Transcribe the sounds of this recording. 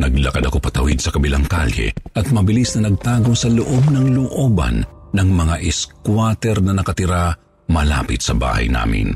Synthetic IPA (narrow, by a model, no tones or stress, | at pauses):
nɐɡlɐkad̪ɐko̞pɐt̪ɐwid̪sɐkɐbɪlaŋkalhɛ̰ʔɐt̪̚mɐbɪlisnɐnɐɡ̚t̪aːɡosɐloʔo̞bnɐŋloʔo̞ːbɐ̰nːɐŋmɐŋaʔɪskwat̪ɛɾnɐnɐkɐt̪ɪɾa | mɐla̰pɪt̪̚sɐba̰ːhɐ̰jna̰ːmɪ̰n